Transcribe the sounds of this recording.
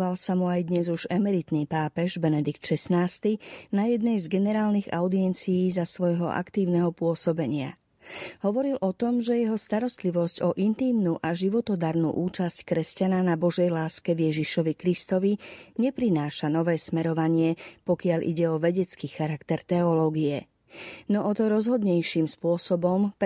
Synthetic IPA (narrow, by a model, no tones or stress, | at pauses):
ʋalsamuajd̪ɲɛzuʒɛmɛɾit̪niːpaːpɛʒbɛnɛd̪ikt̪ʃɛsnaːst̪inajɛd̪̚nɛjzɡɛnɛɾaːlniɣa̰ʊd̪iɛnt͡sijiːzasʋɔjɦɔ̰ʔa̰kt̪iːʊnɛɦɔpʊɔsɔbɛɲɪa̰ | ɦɔʋɔɾilʔɔt̪ɔmʒɛjɛɦɔst̪aɾɔst̪liʋɔscɔʔint̪iːmnuʔaʒiʋɔt̪ɔd̪aɾnṵʔuːt͡ʃasckɾɛscananabɔʒɛjlaːskɛʋjɛʒiʃɔʋikɾist̪ɔʋiɲɛpɾinaːʃanɔʋɛːsmɛɾɔʋaɲɪɛpɔkɪaʎḭɟɛɔʋɛɟɛt͡skiːxaɾakt̪ɛɾt̪ɛɔlɔːɡijɛ | nɔʔɔt̪ɔɾɔzɦɔd̪ɲɛjʃimspʊɔsɔbɔmp